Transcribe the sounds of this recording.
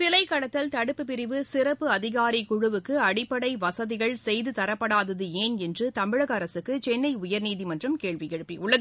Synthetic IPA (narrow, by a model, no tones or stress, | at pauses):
sɪlɐɪkːɐɽɐt̪ːɐlt̪ɐɽɯpːɯpɪɾɪʋɯsɪɾɐpːɯɐðɪɣaːɾikʊɻʊʋɯkːɯɐɽɪpːɐɽɐɪʋɐsɐðɪɣɐɭsɛjðɯt̪ɐɾɐpːɐɽaːðɐðɯeːnɛndrɯt̪ɐmɪɻɐɣɐːɾɐsɯkːɯt͡ʃɛnːɐɪʊjɐɾniːðimɐndrɐmkeːɭʋijɛɻɯpːiʊɭːɐ